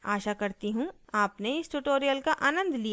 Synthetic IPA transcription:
aːʃakɐɾt̪iɦũaːpneɪsʈʊʈoːɾijəlkaʔaːnə̃nd̪ʱlija

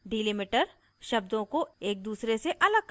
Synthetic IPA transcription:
ɖiːlimiʈəɾ | ʃɐb̚d̪õkoeːk̚d̪uːsɾeseʔɐləɡ̚k

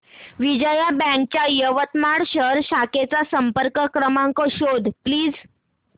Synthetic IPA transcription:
ʋid͡ʑəjabɛ̃ŋk̚t͡ɕjajəʋət̪maɽɕəɾɕaket͡sasəmpəɾkəkɾəmãŋkɔɕod̪ʱpliːd͡z

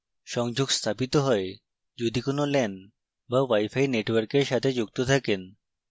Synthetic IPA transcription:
ʃɔŋd͡ʑoɡst̪ʰapit̪oɦɔe | d͡ʑod̪ikonolɛn | bawajfajneʈwaɾkeɾʃat̪ʰed͡ʑuk̚t̪ot̪ʰaken

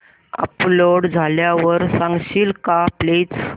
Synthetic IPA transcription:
ə̰ploɽd͡zʱaljaʋəɾsãŋɡɕiːlkaplet͡s

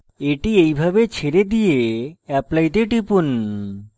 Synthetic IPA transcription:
eʈiejbʱabet͡ɕʰeɾed̪ijeɛplajt̪̬eʈipun

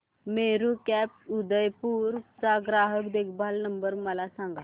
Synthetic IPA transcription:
meɾukɛp̚ud̪əjpuːɾt͡saɡɾaɦəkd̪ekʰbʱalnəmbəɾməlasãŋɡa

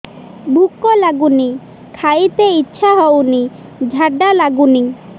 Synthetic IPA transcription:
bʱukːolaɡuni | kʰajt̪eitːɕʃʰaɦɔwni | d͡ʒʱaɖːalaɡuni

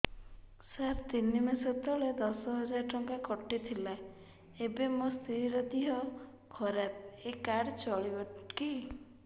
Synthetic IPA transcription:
saɾt̪inːimesɔt̪ɔɭed̪ɔsɔɦɔd͡ʒaɾʈɔŋkakɔʈːit̪ʰila | ebemost̪ʰiɾiɾɔd̪iɦɔ | kʰɔɾap̚ekaɽt͡ʃɔɭibɔki

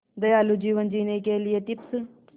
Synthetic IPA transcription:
d̪əjaːlud͡ʒiːʋənd͡ʒiːnekeːlɪjeːt̪ɪps

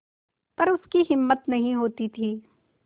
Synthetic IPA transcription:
pɐɾʊskiɦɪmːət̪nɐɦĩɦoːt̪it̪ʰiː

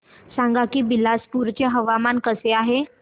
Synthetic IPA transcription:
saŋɡakiːbilaspuɾt͡ɕjaɦəʋamankəseaɦe

